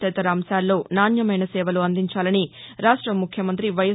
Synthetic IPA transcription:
t̪ɛt̪ɐɾɐːmsaːlːo̞ːnaːnjɐmɐjnɐsɛːʋɐluɐnd̪iɲt͡ʃaːlɐniɾaːʂʈɾɐmːukʰjɐmɐnt̪ɾiʋɐjɐ

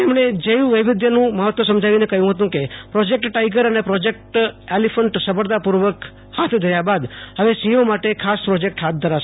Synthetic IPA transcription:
emɳed͡ʒəjũʋəjʋɪd̪jənũməɦət̪ʋosəmd͡ʒaʋinekəɦjũɦət̪̬ũkepɾɔd͡ʒek̚ʈʈajɡəɾənepɾɔd͡ʒek̚ʈelifəɳʈsəbəɾd̪apuɾʋək | hat̪ʰd̪ʱəɾjabad̪həʋesĩjomaʈekʰaspɾɔd͡ʒek̚ʈɦat̪̚ʰd̪ʱəɾaʃ

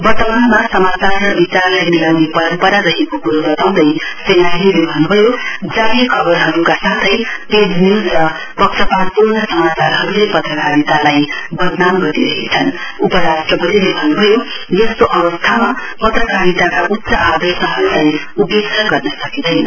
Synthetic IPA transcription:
bʌrt̪ʌmanmasʌmat͡sarrʌbit͡sarlajniɾawnepʌpʌɾaɾʌɦekokuɾodʌt̪aw̃d̪ʌjsenajlilebʱʌnːubʱʌjod͡zaɾikʰʌbʌrɦʌɾukasat̪ʰʌjped͡znid͡zrʌ | pʌktʌpad̚purnʌsʌmat͡sarɦʌɾulepʌt̪rʌkaɾit̪alajbʱʌd̪namɡʌɾiɾʌɦḛt͡sʰʌn | upʌɾasʈrʌbʌɾilebʱʌnubʱʌjo | jʌstoʔʌbʌst̪ʰama | pʌt̪rʌkaɾit̪akaʔut̪ːsʌʔad̪ʌrsʌɦʌɾulaj | upeksʌɡʌrnʌsʌkid̪ʌjn

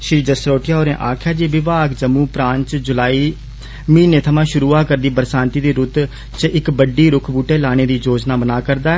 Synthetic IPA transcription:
ʃɾiːd͡ʒəsɾoːʈɪjaːɦoːɾḛ̃ːʔaːkʰjaːd͡ʒiːʋɪʋaːkd͡ʒəmːũːpɾãːɲt͡ʃd͡ʒʊlaːiː | mĩːneːt̪ʰəmãːʃʊɾuːaːkəɾd̪iːbəɾsãːnt̪iːd̪iːɾʊt̪ | t͡ʃɪkbəɖːiːɾʊkʰbuːʈeːlaːɽ̃eːd̪iːd͡ʒoːd͡ʒnaːbənaːkəɾd̪aːɛ

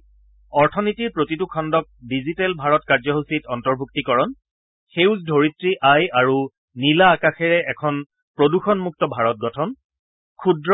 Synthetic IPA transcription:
ɔɹtʰɔnitiɹpɹotitukʰɔndɔk̚dizitɛlbʱaɹɔtkaɹzɔɦusitɔntɔɹbʱuktikɔɹɔn | xeʊzdʱoɹitɹiʔajaɹu | nilaːkaxɛɹɛʔɛkʰɔn | pɹoduxɔnmuk̚tɔbʱaɹɔt̚ɡɔtʰɔn | kʰudɹɔ

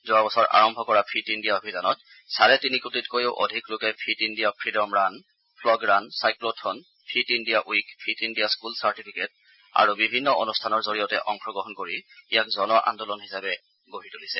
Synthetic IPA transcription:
zɔabɔsɔɹʔa̰ɹɔmbʱɔkɔɹapʰitindijaobʱidanɔt | saɹɛtinikutitkojoʊʔo̰dʱiklokɛpʰitindijapʰɹidɔmɹan | pʰlɔɡɹansajklotʰɔn | pʰitindijaʔuikpʰitindijaskulsaɹtipʰiket̚ | a̰ɹubibʱinːɔʔo̰nustʰanɔɹzoɹijɔtɛʔɔŋxʰɔɡɹɔɦɔnkoɹiijakzɔnɔaʔa̰ndɔlɔnhisabɛ | ɡoɦitulisɛ

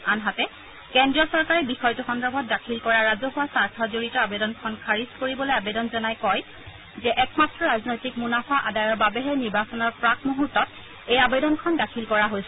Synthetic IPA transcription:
anɦatɛ | kɛndɹiɔsɔɹkaɹɛbixɔjtuxɔndɹɔbʱɔt̚dakʰilkɔɹaɹazɔɦuwasaɹtʰɔzoɹitɔabedɔnkʰɔnkʰaɹiskoɹibɔlojabedɔnzɔnajkɔj | zɛʔɛkmatɹɔɹaznojtik̚munafaʔadajɔɹbabɛɦɛniɹbasɔnɔɹpɹakmuɦutːɔt | ejabedɔnkʰɔndakʰilkɔɹaɦojsɛ

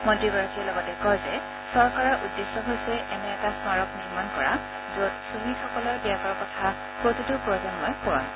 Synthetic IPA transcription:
mɔ̃ndɹibɔɹakʰiɛlɔɡɔtɛkɔjzɛ | sɔɹkaɹɔɹʔudːesɔɦojsɛʔɛnɛːtasmaɹɔkniɹmankɔɹa̰ | zot̚suɦixɔkɔlɔɹbiakɔɹkɔtʰa | pɹotitupɹɔzanmɔjpɔɹɔ̰n

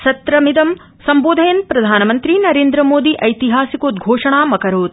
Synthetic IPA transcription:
ʃɐt̪ɾɐmid̪ɐm | sɐmboːd̪ʱɐjɐnpɾɐd̪ʱaːnɐmɐnt̪ɾinɐɾeːnd̪ɾɐmoːd̪iʔɐjt̪iɦaːsikoːd̪ɡʱoːʂɐɳaːmɐkɐɾoːt̪̚

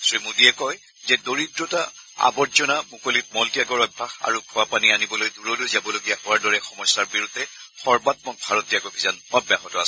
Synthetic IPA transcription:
sɹimudiɛkɔj | zɛdoɹidɹɔta | a̰bɔtzɔnamukolit̚mɔltijaɡɔɹɔbʱaxa̰ɹukʰuapanianibɔlojduɹɔlojzabɔloɡiaxɔaɹdɔɹɛxɔmɔjsːaɹbiɹudʱɛxɔɹbat̚mɔk̚bʱaɹɔtiaɡɔbʱizanɔbjaɦɔtɔa̰sɛ

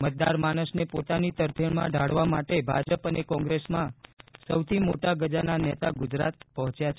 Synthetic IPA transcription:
mət̪̚d̪a̰ɾmañəsnepot̪anit̪əɾp̪ʰjəɳmã̰ɖʱaɽʋamaʈebʱa̰d͡ʒəpənekɔ̃ŋɡɾesmãsəwt̪ʰimoʈaɡəd͡ʒananɛt̪aɡʊd͡ʒɾa̰t̪̚pəɦɔ̃t͡ʃjat͡ʃʰe

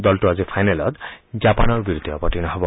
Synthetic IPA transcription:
d̪ɔltuazipʰajnelɔt̪zapanɔɹbiɾud̪ʱːiɔpɔʈinɔɦɔbɔ

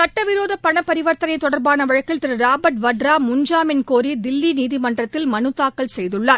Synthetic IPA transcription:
sɐʈːɐʋɪɾoːðɐpːɐɳɐpːɐɾɪʋɐɾt̪ɐnɐɪt̪ːɔɽɐɾbaːnɐʋɐɻɐkːɪlt̪ɪɾɯɾaːbɐʈʋɐʈɾaːmʊɲd͡ʒaːmɪnkoːɾid̪ɪlːiniːðimɐɳɖrɐt̪ːɪlmɐnɯt̪ːaːkːɐɭsɛjðɯɭːaːɾ

